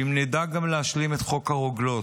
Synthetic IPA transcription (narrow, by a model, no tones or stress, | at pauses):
imnedaɡamleaʃlimet̪χo̞khaʁoɡlo̞t